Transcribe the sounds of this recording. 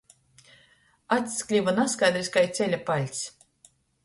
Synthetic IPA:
at̪sklʲivanaskajd̪ɾisʲkajt̪sʲɛlʲapalʲt̪ʲsʲ

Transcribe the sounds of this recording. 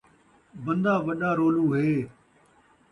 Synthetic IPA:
bə̃nd̪aːʋəɗaːɾoːlũːɦeː

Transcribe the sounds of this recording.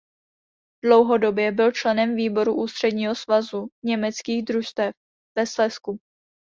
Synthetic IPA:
dlowɦo̞do̞bjɛbɪlt͡ʃlɛnɛmviːbo̞ɾuʔuːst̪r̝̥ɛdɲiːɦosvazuɲɛmɛt͡skiːɣd̪ɾuʃt̪ɛf | vɛslɛsku

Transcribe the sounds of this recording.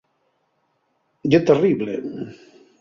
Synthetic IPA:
d͡ʒet̪eriβlḛ

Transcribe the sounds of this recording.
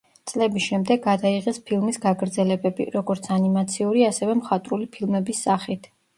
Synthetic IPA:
t̪sʼlɛbisʃɛmd̪ɛɡːad̪aiʁɛspʰilˠmisɡaɡɾd̪zɛlɛbɛbḭɾɔɡɔɾt̪sʰanimat̪sʰiuɾiasɛvɛmχat̪ʼɾulipʰilˠmɛbisːaχit̪ʰ

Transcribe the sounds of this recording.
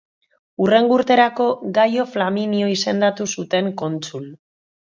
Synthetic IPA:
ure̞ŋɡuɾt̪e̞ɾako̞ɡajoflaminio̞ise̞nd̪at̪usut̪e̞ŋko̞nt͡sul

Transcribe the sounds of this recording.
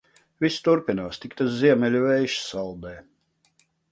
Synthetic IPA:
vist̪uɾpinuːst̪ikt̪as̬ziɛmʲɛlʲuvɛjʃsɑlˠd̪ɛː

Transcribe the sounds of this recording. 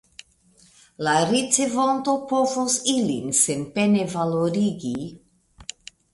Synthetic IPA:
laɾit͡sevont̪opovosilḭnsempenevaloɾiɡi

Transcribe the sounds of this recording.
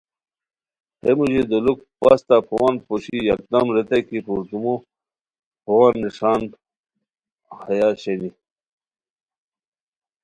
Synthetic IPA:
hemuʑid̪uluk̚pa̰st̪apʰowanpoɕija̰k̚d̪amɾet̪ekipuɾt̪umo | pʰowanːiʂaːn | hajaɕeni

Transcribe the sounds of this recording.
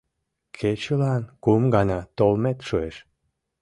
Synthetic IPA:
kʰet͡ɕəlɑnkumɡɑnɑt̪olmet̪ʃueʃ

